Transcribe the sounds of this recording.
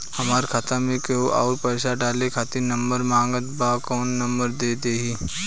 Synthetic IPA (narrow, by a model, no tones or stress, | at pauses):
hɐmaːɾkʰat̪amẽkeoʔaːɾpəːɪsaɖaːlekʰaːt̪inɐ̃mbəɾmãːŋɡət̪bakɔːnːɐmbəɾd̪eːd̪eːɦiː